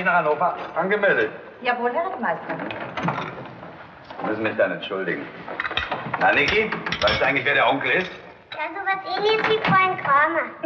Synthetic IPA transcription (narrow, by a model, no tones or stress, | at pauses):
çnaːχhanoːfɐʔanɡəmɛːdɪç | jaːvoːlɦɛːʁətmaɪst | mʏsn̩mɪɪçd̥anɛntʃʊldɪɡŋ̩ | nanɪkivaɪstduʔaɪɡŋlɪçveɐɾeːɐʔɔŋkl̩ɪst | azovasʔeːnlɪçəsviːfʁɔlənɡʁaːmɐ